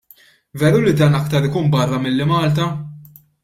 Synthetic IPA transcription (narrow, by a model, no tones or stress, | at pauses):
vɛːɾulid̪ɐːnɐkt̪ɐɾɪkuːnbɐrːɐmɪlːɪmɐːlt̪ɐ